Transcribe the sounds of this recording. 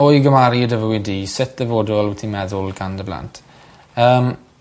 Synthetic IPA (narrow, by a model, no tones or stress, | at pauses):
ojɡəmaɾiədəvəwɪdiːsɪt̚ʰðəvoːdʊlwtʰimɛðʊlˠɡandəbla̰ntʰ | əːm